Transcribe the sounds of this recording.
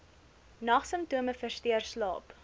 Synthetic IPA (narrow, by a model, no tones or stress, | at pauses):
nɐχsəmptuəməfərstiərslɑ̰ːp